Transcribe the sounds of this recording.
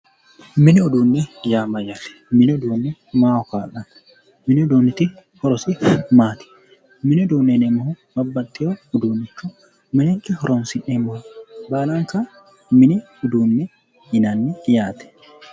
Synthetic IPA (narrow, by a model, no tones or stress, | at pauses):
mɪnɪɔd̪uːnːɛjaːmɐjɐlɛ̥mɪnɪɔd̪uːnːɛmaːɔkaːlɐn | mɪnɪʊd̪uːnːɪt̪ɪhɔɾɔsɪfmaːt̪ɪ̥ | mɪnɪɔd̪uːnːɛnɛmɐhʊ | bɐbːɐt̪ʼːɪjoʊd̪uːnːɪt͡ʃːʊ | mɪnɛkʼːɪhɔɾʔɔnsɪʔɛmɔhʊbaːlaŋka | mɪnɪ | ʊd̪uːnːɛ | jɪnanːɪjaːt̪ɛ̥